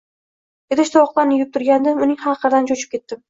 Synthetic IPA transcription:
ed̪ɪʃt̪awɒqlˠaɾnɪjʊp̚t̪ʊɾɡʲand̪ɪmʊnɪŋhɑqʰɨɾd̪ant͡ʃʰot͡ʃʰɪ̥p̚kʲe̞t̪ːɪm

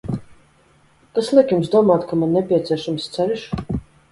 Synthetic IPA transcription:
kaslˠikjumsd̪uɔmaːt̪kamannːɛpʲiɛt̪sʲiɛʃamst̪sɛɾiʃ

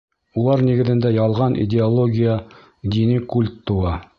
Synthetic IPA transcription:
ulˠɑɾniɡɘ̆ðɘ̆nd̪æjɑlˠʁɑnʔḭdʲɪolˠoɡʲijə | d̪ʲinɘkulʲt̪ːŭwɑ

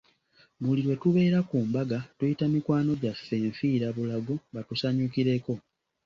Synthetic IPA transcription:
muliɾwe̞tuβe̞ːɾakuːmbaɡatujitamikwaːno̞ɟafːe̞ːɱfiːɾaβulaɡumbatusaɲukiɾe̞ko̞

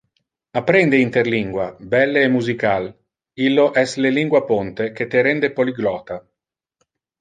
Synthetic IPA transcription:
apːɾɛnd̪eint̪erliŋɡwabɛlːeːmuzikal | ilːoʔɛsleliŋɡwapont̪ek̟et̪eɾɛnd̪epoliɡlɔːt̪a

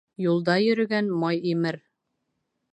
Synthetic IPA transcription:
julˠd̪ɑjɵ̆ɾɵ̆ɡænmɑjimɘɾ

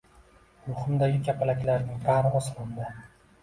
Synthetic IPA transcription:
ɾʊhʊmd̪aɡʲɪkʲʰapʰalakʲlaɾnɪŋbaɾɒslˠɑnd̪ɪ

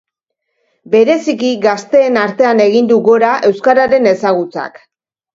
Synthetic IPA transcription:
be̞ɾe̞sikiɣast̪e̞ːnaɾt̪e̞ane̞ɣ̞ind̪uɣo̞ɾaʔe̞wskaɾaɾe̞ne̞saɣut͡sa̰k

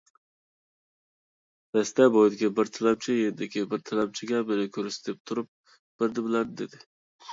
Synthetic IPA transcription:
d̪̥ɛst̪ɛbojd̪ɪkʲibɪɾt̪ʰalɛb̚t͡ʃʰɪjed̪ɪkʲɪbɪɾt̪ʰalɛb̚t͡ʃʰɪɡʲɛbɪɾɪkʲʰøɾɪsd̪ep̚t̪ʰʊɾʊp̚ | b̥ɪɾd̪ɪbɪlˠæɾd̪ɪd̪ed̪ɪ

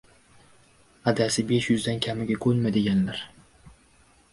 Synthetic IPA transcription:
ad̪asɪbe̞ʃjʊzd̪ankʲʰamɪɡʲakʰɵlmad̪e̞ɡʲanlaɾ

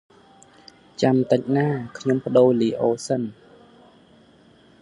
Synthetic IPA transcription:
t͡ɕamt̪ɨc̚naːkʰɲompə̆ɗoːliːʔoːsən

